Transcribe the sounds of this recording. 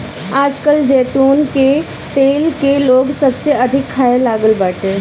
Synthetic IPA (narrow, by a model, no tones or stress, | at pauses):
aːd͡ʒkəld͡ʒeːt̪uːnke | t̪eːlkeloːɡsɐbseɐd̪ʱɪkʰːaelaːɡəlbəʈẽː